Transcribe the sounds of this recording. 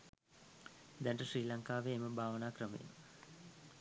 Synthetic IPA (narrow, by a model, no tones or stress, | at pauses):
d̪æɳʈəɕriːlaŋkaːʋeːməbʱaːʋənaːkrəmḛmə